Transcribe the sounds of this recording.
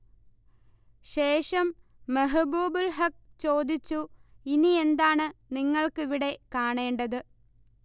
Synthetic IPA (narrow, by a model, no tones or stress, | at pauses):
ɕe̞ːʂɐmː | ɐɦɐbuːbulɦɐk̚t͡ɕo̞ːd̪it͡ɕːuinie̞nd̪aːɳɨniŋːɐɭkɨʋiɽe̞kaːɳe̞ːɳɖɐðɨ